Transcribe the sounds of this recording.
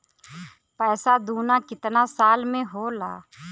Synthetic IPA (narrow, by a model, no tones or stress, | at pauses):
pɛːsad̪uːnakɪt̪nasaːlmẽɦoːla̰ː